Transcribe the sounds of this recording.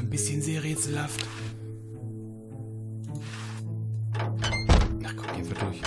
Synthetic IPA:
nbɪsçənzeːʁeːt͡sl̩haft | naχkʰɔmɡ̥ḛːnvidʊç

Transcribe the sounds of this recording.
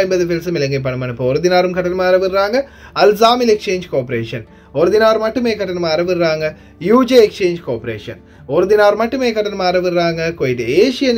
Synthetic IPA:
jmbɐðɨfelsɨmilɐŋɡɐp̬ɐɳɐmːɐːɳipːoːoɾuðinaːrumkʰɐʈːɐnmaːɾɐʋirːaːŋɡɐ | ɐlzaːmilekʂeːɲd͡ʒkoːpɾeːʂɐn | oɾuðinaːɾmɐʈːumeːkɐʈːɐnɐmaːɾeʋirːaːŋɡɐ | juːd͡ʒeekʂeːɲd͡ʒɨkoːpːɐɾeːʂɐ̰n | oɾuðinaːɾumɐʈːumeːkɐʈːɐnɐmaːɾeʋirːaːŋɡɐkoːjitːɨeːʂijɐn

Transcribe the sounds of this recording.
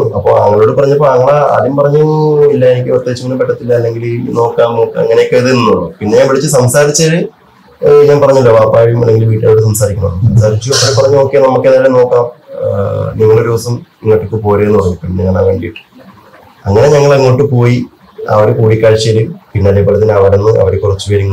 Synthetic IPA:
ɐpːo̰ɐ̰ŋːɐɭo̞ːɽɨpɐrɐɲːɐpːoɭɐŋːɐɭa̰ːðumpɐrɐɲːuilːɐenikʲːɨɐrt̪ːet͡ɕːuŋːɐnumpeʈːɐt̪ːilːɐːlːe̞ŋɡilno̞ːkːaːmːoːkːɐ̰ŋːɐnejokːeiðɨninːuɽumpinːeɲaːmʋiɽit͡ɕːɨsɐmsaːɾit͡ɕːaɻɨ | ɲaːnpɐrɐɲːuilːɐʋaːpːaːɻijumɐ̰lːe̞ŋɡilʋiːʈːaːjoɽesɐmsaːɾikʲːɳɐɐnːsɐmsaːɾit͡ɕːuɐpːoːɾepːɐrɐɲːuokːe̞nɐmukːenɐlːɐno̞ːkːaːm | niŋːɐɭoɾiʋɐsɐmniŋːɐʈːikːɨpo̞ːɾeenːupɐɽɐŋːupinːeɲːɐa̰ːʋɐɳɖiiʈːɨ̥ | ɐŋːɐne̞ɲɐŋːɐɭɐŋːoːʈːɨpo̞ːji | ɐ̰ʋɐɾekuːɽikʲːaːɻt͡ɕːɐɾumpinːeɐðeboɭɐt̪ːinɐʋɐɽenːɨɐ̰ʋɐɾekːurɐt͡ɕːuʋɐɾuŋː

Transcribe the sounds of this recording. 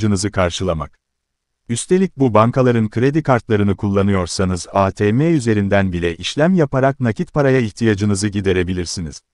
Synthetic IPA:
d͡ʒɯnɯzɯkʰaɾʃɯlˠama̰k̚ | yst̪ʰe̞lʲic̚bubankʰalˠaɾɯnkʰɯɾe̞d̪ikʰaɾt̪lˠaɾɯnɯkʰulˠːanɯjo̞ɾsanɯzaːt̪ʰeːmeyze̞ɾind̪ænbilʲɛʔiʃlʲæmjapaɾak̚nacit̪pʰaɾajaiçt̪ʰijad͡ʒɯnɯzɯɟid̪e̞ɾe̞bilʲiɾsinḭz̥

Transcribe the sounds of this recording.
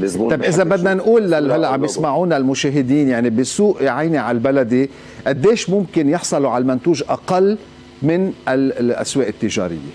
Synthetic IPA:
t̪ɑjbʔɪzabad̪nanʔuːlːalɦalːaʔʕabjɪsmaʕuːnalmʊʃeːɦɪd̪iːnjaʕnibɪsuːʔjʕajniʕalbalad̪i | ʔad̪ːeːʃmʊmkɪnjɪħsˤɑluʕalmant̪uːʒʔaqalː | mɪnalʔa̰sweːʔɪt̪ːɪʒa̰ːɾɪ̰jːe

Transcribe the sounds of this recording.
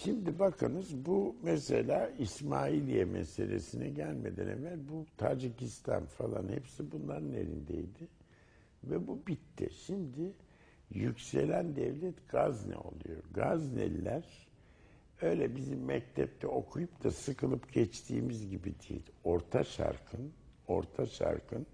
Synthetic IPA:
ʃimd̪ibakʰanɯzbumɛselʲaːismaːilʲijɛmɛselʲesinɛɟælʲmed̪ænevælʲbut̪ʰaːd͡ʒicist̪ʰa̰nfalˠanhepsibunlˠaɾɯne̞̰ɾind̪ejd̪ɪ | vɛbubit̪ʰːɪʃimd̪ɪ | jycse̞lʲænd̪ɛvlʲɛt̪ɡ̥aznɛ̰o̞̰lˠṵjoɡaznɛ̰lːʲæɾ̥ | øjlʲɛbizimːɛc̚t̪ʰɛp̚t̪ʰɛo̞kʰujupt̪ʰasɯkɯlˠɯpɟɛt͡ʃt̪ʰiːmizɟibid̪id̪o̞ɾt̪ʰaʃa̰ɾkʰɯn | o̞ɾt̪ʰaʃa̰ɾkʰɯn

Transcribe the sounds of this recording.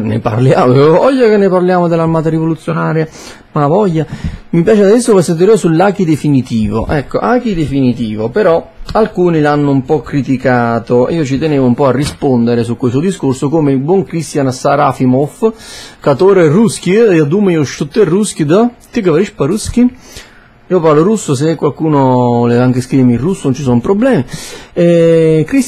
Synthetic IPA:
nḛpa̰rljaːmvɔʎːakenːeparljaːmod̪elːarmaːt̪aɾivolut̪sːjonaːɾja | mavɔʎːamipjaːt͡ʃead̪d̪ɛsːokesːent̪iɾeːosulːaːkid̪efinit̪iːvo̰ʔɛkːoʔaːkid̪efinit̪iːvopeɾɔalkuːnilanːʊumpɔkːɾit̪ikaːt̪oʔiːot͡ʃit̪eneːvoumpɔarːispond̪eɾesukːwest̪od̪iskorsokoːmelbwɔŋkɾist̪jansaɾafimofkat̪oːɾerusk̟iead̪uːmeiːoʃut̪ːerːusk̟id̪t̪ikːavaɾiʃpaɾuski | iːoparloɾusːos̬ekːwalkuːnoleaŋk̟eskɾivemːirːusːonont͡ʃisɔmpɾoblɛːmiɛkɾi

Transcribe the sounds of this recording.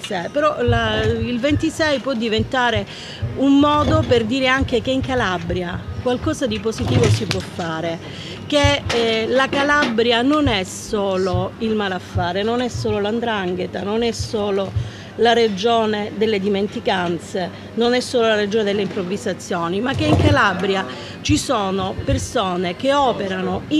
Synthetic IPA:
sɛpeɾɔlailvent̪isɛjpwɔd̪ːivent̪aːɾe | ummːɔːd̪operd̪iːɾeaŋk̟ek̟eiŋkalabɾjakwalkɔːzad̪ipozit̪iːvosipwɔfːaːɾe | k̟elakalabɾjanonɛsoːloilmaːlafːaːɾenonɛsːoːloland̪ɾaŋɡet̪anonɛsoːlo | laɾed͡ʒoːned̪elːed̪iment̪ikant̪se | nonɛsːoːlolaɾed͡ʒoːned̪elːeimpɾovizat̪sːjoːnimakːeiŋkalabɾja | t͡ʃisoːnopersoːnek̟eɔːpeɾanoi

